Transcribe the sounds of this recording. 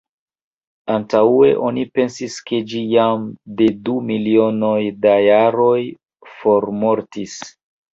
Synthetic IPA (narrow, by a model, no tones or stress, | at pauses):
antaue̞ʔo̞nipe̞nsiske̞d͡ʒijamde̞dumilio̞no̞jdajaɾo̞j | fo̞ɾmo̞ɾtis